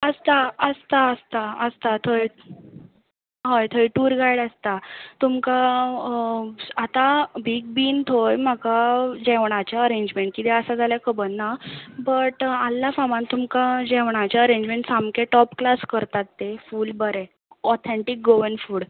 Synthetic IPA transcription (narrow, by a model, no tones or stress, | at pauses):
əst̪aəst̪aəst̪aəst̪at̪ʰoj | ɦəjt̪ʰojʈuːɾɡajɽəst̪at̪umka | at̪abiːk̚biːnt̪ʰojm̤akad͡ʑɛʋɳ̃at͡ɕaəɾẽɲd͡ʑmẽɳʈ̚kit̪ɛəsad͡zʱaljakəbənːabəʈalːafamãnt̪umkad͡ʑɛʋɳ̃at͡ɕaəɾẽɲd͡ʑmẽɳʈsamkeʈɔpklaskəɾt̪at̪ːefuːlbəɾɛ | ɔt̪ʰɛɳʈik̚ɡoʋənfuːɽ